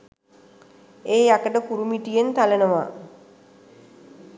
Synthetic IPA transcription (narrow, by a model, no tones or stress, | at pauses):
eːjakəʈəkuɾumiʈijent̪alənəʋa̰